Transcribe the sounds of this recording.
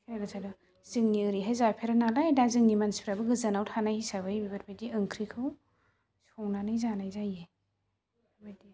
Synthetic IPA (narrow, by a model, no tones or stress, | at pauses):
pʰeɾazadɔ | zɯŋniɯɾiɦazaɾpʰeɾanalajdazɯŋnimanspʰiɾabɯɡɯzanawtʰanahisaβajbibaɾbajdiɯŋkʰɾikʰɯw | sɔŋnanɯjzanajzaje | bajdi